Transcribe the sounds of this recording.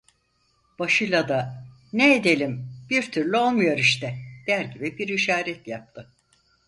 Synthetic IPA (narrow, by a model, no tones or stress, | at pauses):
b̥aʃɯjlˠad̪a | neːd̪elʲimb̥iɾt̪ʰyɾlʲyo̞lˠmujo̞ɾiʃt̪ʰɛd̪̥æɾɟibibiɾiʃaːɾɛt̪jap̚t̪ʰɯ